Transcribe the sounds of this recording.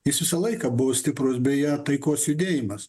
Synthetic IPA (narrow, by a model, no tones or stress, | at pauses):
jɪsʋʲɪsɐlˠɐɪkɑbʊʋoːsʲt̪ʲɪpɾosbʲɛjɛːt̪ɐɪkoːsjʊd̪ʲeːjɪmɐs